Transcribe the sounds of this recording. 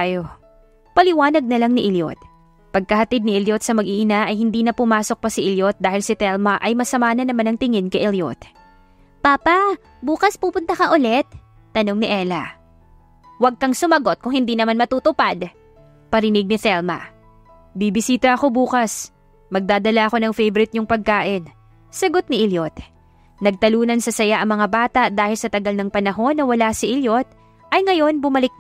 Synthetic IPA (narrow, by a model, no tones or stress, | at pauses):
ajo | pɐlɪwaːnɐɡ̚nɐlaŋnɪʔɪljo̰t̪̚ | pɐɡ̚kɐhɐt̪id̪̚nɪʔɐljot̪sɐmɐɡʔiːʔɪnaʔɐjhɪnd̪iːnɐpʊmaːso̞k̚pɐsɪʔɪljot̪̚d̪aːhɪlsɪt̪ɛlmɐʔɐjmɐsɐmaːnɐnɐmanɐŋt̪ɪŋɛnkɐjʔɛljo̰t̪̚ | paːpɐ | buːkɐspuːpʊnt̪ɐkɐʔʊlɛt̪̚ː | ɐno̞ŋnɪʔɛːlɐ | wɐɡ̚kɐŋsʊmɐɡo̞t̪̚kʊŋhɪnd̪iːnɐmanmɐt̪uːt̪ʊpad̪ | pɐɾɪnɪɡ̚nɪθɛlmɐ̰ | bibɪsiːt̪ɐʔɐko̞buːkɐs | mɐɡ̚d̪aːd̪ɐlaʔɐko̞nɐŋfɛjvɛɾɪt̪̚ɲʊŋpɐɡ̚kaːʔɪn | sɐɡo̞t̪̚nɪʔɪljot̪ | nɐɡ̚t̪ɐluːnɐnsɐsɐjaʔɐŋmɐŋabaːt̪ɐʔd̪aːhɪlsɐt̪ɐɡɐlnɐŋpɐnɐɦo̞nːɐwɐlasɪʔɪljo̞t̪̚ | ʔɐjŋɐjo̞nbʊmɐlɪk̚